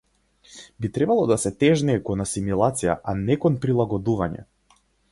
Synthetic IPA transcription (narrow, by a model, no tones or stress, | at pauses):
bit̪ɾɛbalˠɔd̪asɛt̪ɛʒniɛkɔnasimilˠat̪sija̰ʔanɛkɔnpɾilˠaɡɔd̪uvaɲɛ̰